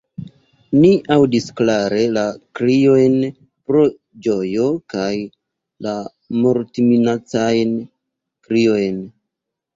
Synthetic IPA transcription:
niʔawdisklaɾe̞lakɾio̞jn | pɾo̞ | d͡ʒo̞jo̞kaj | la | moɾtiminat͡sajn | kɾiojn

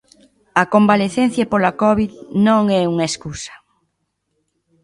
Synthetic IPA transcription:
ɐkombaleθen̟θjɐpolakɔβiðnõŋɛuŋaeskusɐ̥

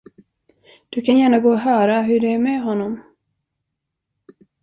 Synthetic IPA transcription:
d̪̥ɵkʰanjæːɳaɡoːɔɦœːɾaɦɵɖɛæɾmɛɦɔnːɔm

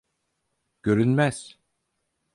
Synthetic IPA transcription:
ɟ̥øɾynmæz̥

